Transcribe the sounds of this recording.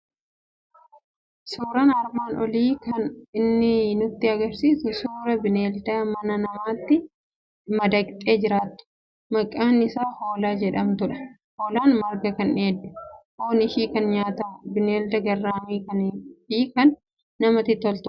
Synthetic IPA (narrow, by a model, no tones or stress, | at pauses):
suːɾɐnɐɾmaːnʔɔliːkɐnɪnːɪnʊt̪ːɪɐɡɐɾsiːsʊsuːɾɐbɪneːld̪aːmɐnɐnɐmaːt̪ːɪ | mɐd̪ɐkʼt̪ʼe̞ːd͡ʒɪɾaːt̪ːʊ̥ | mɐkʼːaːnɪsaːho̞ːlaːd͡ʒɛᶑɐmt̪ʊᶑɐ̥ | hoːlaːnmɐɾɡɐkɐneːd̪ːʊ̥ʔoːnɪʃiːkɐnɲaːt̪aːbɪneːld̪ɐɡɐrːaːmiːkɐnfiːkɐnː | ɐmɐt̪ɪt̪ːɔlt̪ʊ